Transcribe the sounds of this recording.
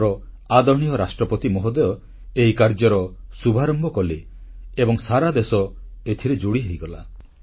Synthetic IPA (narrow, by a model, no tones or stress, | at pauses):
ɾɔ | ad̪ɔɳ̃iɔɾasʈɾɔpɔt̪imɔɦɔd̪ɔjɔ | eɦikaɾd͡ʒɔɾɔsubʱaɾɔmbɔkɔle | ebɔŋsaɾad̪esɔ | et̪ʰiɾed͡ʒuɽiɦejɡɔla